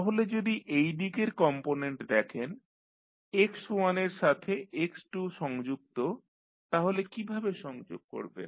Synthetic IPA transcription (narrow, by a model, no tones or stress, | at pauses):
t̪aɦoled͡ʑod̪iʔejɖikeɾkɔmponeɳʈd̪ɛkʰen | ekswaneɾʃat̪ʰeʔeksʈuʃɔŋd͡ʑuk̚t̪o | t̪aɦolekibʱabeʃɔŋd͡ʑo̰ɡ̚ko̰ɾbḛn